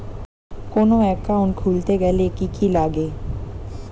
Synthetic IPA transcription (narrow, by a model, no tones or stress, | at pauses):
koːnoɛkːãːʊ̃ɳʈ̚kʰuːlt̪eɡɛlekikilaːɡeː